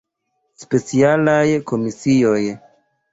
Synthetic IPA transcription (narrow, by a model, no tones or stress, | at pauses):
spe̞t͡sialajko̞misio̞j